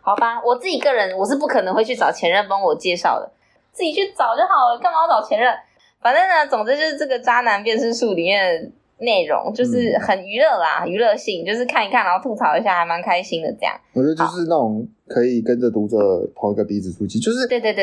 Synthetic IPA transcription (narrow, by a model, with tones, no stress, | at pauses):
xɑ˨˩ʊba˧wɔ˨˩t͡sɹ̩˥˩t͡ɕi˨˩kə˥˩ɻə˧˦˥nwɔ˨˩ʂ̬ɻ̩˥˧p̬u˥˩kʰɤ˨˩nɤ˧˥ŋxwe˥˧t͡ɕʰy˥˩t͡sɑ˨˩ʊt͡ɕʰjɛ˧˥nɻə˥˩npɑ˥ŋwɔ˨˩t͡ɕjɛ˥˧ʂɑ̰˥˩ʊd̪ə̰˩ | t͡s̩˥˩t͡ɕi˨˩t͡ɕʰy˥˩t͡sɑ˨˩ʊt͡ɕjo˥˩ʊxɑ˨˩ʊ˨kɤ˥˩ŋmɑ˧˥ʊt͡sɑ˨˩ʊt͡ɕʰjɛ˧˥nɻə˥˩n | fa˨˩nə˥˩ŋnə˧t͡sʊ˨˩ŋt͡s̩˧˥t͡ɕjo˥˧ʊʂɻ̩˥˧ʈ͡ʂɤ˥˩ɡə˩ʈ͡ʂa˥na˧˥npjɛ˥˧nʂɻ̩˥˧ʂu˥˩li˨˩mjɛ˥˩nd̪ə˩ | ne˥˩ɪɻʊ̰˧˥ŋt͡ɕjo˥˧ʊʂɻ̩˥˩xə˨˩ny˧˥lɤ˥˩la̰˩xə˨˩ny˧˥lɤ˥˧ɕi˥˩ŋt͡ɕjo˥˧ʊʂ̬ɻ̩˥˧kʰa˥˩ni˨˥kʰa˥˩nɑ˨˧˥t̪ʰu˥˩t͡sʰɑ˨˩ʊi˧˥ɕja˥˩xa˧˥ɪma˧˦nkʰa˥ɪɕi˥ŋd̪ə̰˨ʈ͡ʂɤ˥˧jɑ̰˥˩ŋwɔ˨˩t͡ɕɛ˧˥də˧˦jo˥˧˩ʊʂ̬ɻ̩˥˧˦na˥˩ʈ͡ʂʊ˨˩ŋ | kʰə˧˥i˨˩kə˦nʈ͡ʂə˨˩t̪u˧˥ə˧t̪ʰɑ˧˥ŋ˧ɡə˧t̪i˧˥t͡sɹ̩˨˩ʈ͡ʂʰu˧˥t͡ɕi˥˩t͡ɕjo˥˧ʊʂɻ̩˥˩t̪e˥˧t̪we˥˧t̪